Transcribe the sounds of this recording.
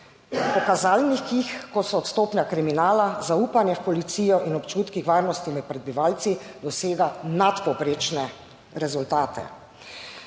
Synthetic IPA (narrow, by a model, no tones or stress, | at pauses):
pɔkazaːlnixkixkɔsɔːt̪st̪oːpnʲjakɾiminaːlazauːpanjɛfpɔlit̪siːjɔʔinɔpt͡ʃuːt̪kixʋaːɾnɔst̪imɛt̪̚pɾɛd̪biʋaːlt̪sid̪ɔseːɡanat̪pɔpɾeːt͡ʃnɛ | ɾɛzult̪aːt̪ʰɛ̰